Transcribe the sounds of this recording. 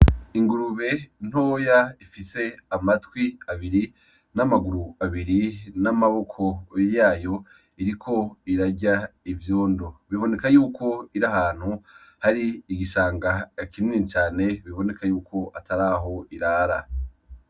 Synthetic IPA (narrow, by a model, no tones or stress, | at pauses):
iŋɡuɾuβe̞n̥ho̞ːjaifise̞amatwiaβiɾi | namaɡuɾuaβiɾinamaβo̞kʰo̞jaːjo̞ | iɾikʰo̞iɾaɟaivjo̞ːndoβiβo̞ne̞kajuːkʰo̞iɾahaːn̥hu | haɾiːɡiʃaːŋɡakininit͡ʃaːne̞βiβo̞ne̞kʰajuːkʰo̞ʔatʰaɾaːɦo̞iɾaːɾa